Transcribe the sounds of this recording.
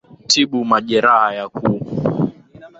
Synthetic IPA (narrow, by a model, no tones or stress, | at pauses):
tʰiɓumaʄɛɾahajakʰuː